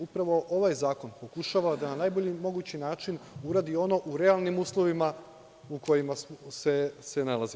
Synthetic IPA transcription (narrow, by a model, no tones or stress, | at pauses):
upɾaʋo̞ʔo̞ʋajzaːko̞npo̞kuʃaʋad̪ananaːjboʎimo̞ɡut͡ɕinaːt͡ʃinuɾaːd̪io̞no̞ʔuɾe̞alˠnimuːslˠo̞ʋima | uko̞jimase̞se̞nalˠazi